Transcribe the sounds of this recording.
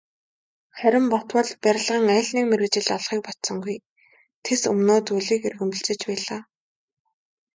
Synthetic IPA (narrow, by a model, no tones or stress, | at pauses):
χæɾʲɪ̆mpɔt̪wə̆ɮpæɾʲɪ̆ɮʁə̆ːŋæːɮniːkmeɾɘ̆t͡ɕɪ̆ɮɔɮχiːk̚pɔt̪sɞ̆ŋɡuj | t̪ʰesɵmnoːt̪uɮiːkerɣɘ̆mpɘ̆ɬt͡ɕɪ̆t͡ɕpæːɮaː